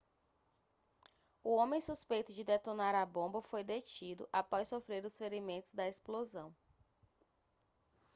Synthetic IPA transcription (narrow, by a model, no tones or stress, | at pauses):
uõmẽj̃suspejt̪ʊd͡ʒɪd̪et̪onaɾɐbõmbɐfojd̪et͡ʃid̪ʊ̰ʔapɔssofɾeɾʊsfeɾimẽnt̪ʊzd̪ɐesplozɐ̃w̃